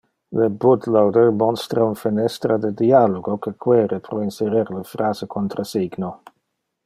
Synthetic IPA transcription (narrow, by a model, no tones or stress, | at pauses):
ləbud̪lowd̪ərmɔnst̪ɾaunfinɛst̪ɾad̪əd̪ialoɡokəkʰwɛːɾəpɾoinseɾɛɾləfɾaːzəkʰont̪ɾʔasiɡno